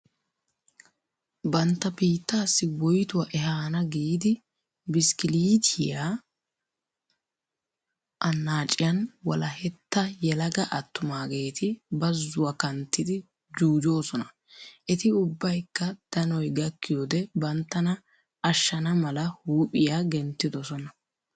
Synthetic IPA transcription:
bɐnt̪ːɐbiːt̪ːaːsːɪwɔjt̪ʊwɐʔɛɦaːnɐɡiːd̪ɪ | bɪskɪliːt̪ʰɪja | ʔɐnːaːt͡ʃʼɪjɐnwɐlɐhɛt̪ːɐjɛlɐɡɐʔɐt̪ːʊmaːɡe̞ːt̪ʰɪbɐzːʊwɐkɐnt̪ːɪd̪ɪ | d͡ʒuːd͡ʒo̞ːsɔnɐ | ʔɛt̪ɪʊbːɐjkːɐd̪̥ɐnɔjɡɐkːɪjɔd̪ɛbɐnt̪ːɐnɐ | ɐʃːɐnɐmɐlɐhuːpʼɪjaɡɛnt̪ːɪd̪ɔsɔnɐ

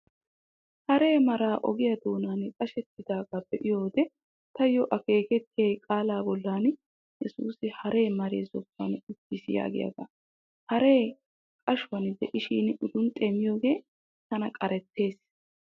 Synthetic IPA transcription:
hɐɾe̞ːmɐɾaːʔɔ̰ɡɪjɐd̪oːnaːnkʼɐʃɛt̪ːɪd̪aːɡab̥ɛʔɪjo̞ːd̪ɛ | t̪ɐjɔʔɐke̞ːkɛt̪ːɪjeːkʼaːlaːbɔlːaːn | jɛsuːsɪhɐɾe̞ːmɐɾḛːzɔpːɐ̰nʊtːɪsɪja̰ːɡɪ̰jɐ̰ɡɐ̰ | hɐɾe̞ː | kʼɐʃʊwɐnd̪ɛʔɪʃiːnʔʊd̪ʊnt̪ʼemɪjo̞ːɡe̞ː | t̪ɐnɐkʼɐɾɛt̪ːe̞ːs

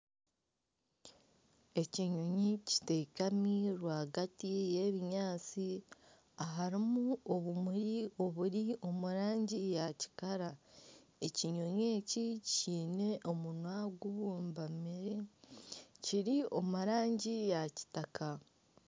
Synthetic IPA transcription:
e̞ciɲoɲici̥te̞kamiɾwaːɡatije̞βiɲaːt͡si | aɦaɾimuo̞βumuɾio̞βuɾio̞muɾaːɲɟijaci̥kaɾa | e̞ciɲo̞ɲeːciciːne̞ʔo̞munwaɡuβuːmbamiɾe | ciɾio̞muɾaːɲɟijaci̥takʰa

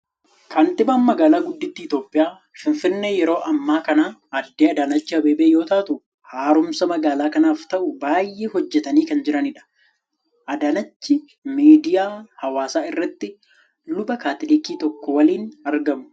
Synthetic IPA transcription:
kɐnt̪ɪmaːnmɐɡaːlaːɡʊd̪ːɪt̪ːɪːt̪o̞ːpʼːɪjaː | fɪnfɪnːeːjɛɾo̞ːʔɐmːaːkɐnaːd̪ːeːɐd̪aːnɐt͡ʃːɪhɐbeːbeːjo̞ːt̪aːt̪ʊ | haːɾʊmsɐmɐɡaːlaːkɐnaːft̪ɐʔʊbaːjːʔeːhɔd͡ʒːɛt̪ɐniːkɐnd͡ʒɪɾɐnɪᶑɐ̥ | ʔɐd̪aːnɐt͡ʃːɪ | miːd̪ɪjaːhɐwaːsaːɪrːɐt̪ːɪ | lʊbɐkaːt̪ɪlɪkiːt̪ɔkːɔwɐliːnɐɾɡɐmʊ̥

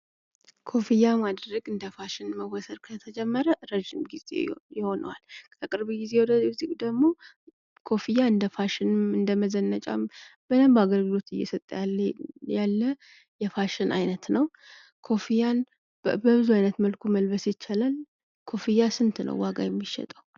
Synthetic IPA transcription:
kʰo̞fijamad̪ɾəɡʼɨnd̪əfaʃɪnməwɔsəɾkʰət̪ʰəd͡ʒɛmːəɾəɾəʒɪmɡizḛjɪho̞nə̰walk̪ʰəkʼɨɾbiɡized̪əzikʼd̪əɡmo̞ | kʰo̞fijaɨnd̪əfaʃɪnɨnd̪əməzənːət͡ʃʼa̰b̥ənəmbaɡəɾɡɨlo̞t̪ɨjːɛ̰sət̪ʼːjajalːə | jɛfaʃɪnʔa̰jnət̪nəw | kʰo̞fijan | bəβɨzuajnət̪məlkʰʷuməlbəsjɪt͡ʃːalal | kʰo̞fijasɨnt̪ʰnə̰wːaɡa̰jɛmːiʃːɛ̰t̪ʼəw

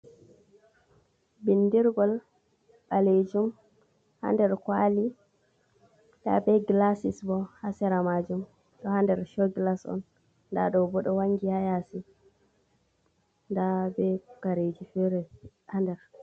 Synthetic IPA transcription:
bindiɾɡɔl | ɓaled͡ʒum | ha̰ndɛɾkwali | da̰bɛɡlasisbɔhasɛɾamad͡ʒum | ɗɔhandɛɾʃɔɡlasɔ̰nː | da̰ɗɔbɔɗɔwaŋɡihajasi | ndabɛkaɾed͡ʒufɛɾɛ | handɛɾ

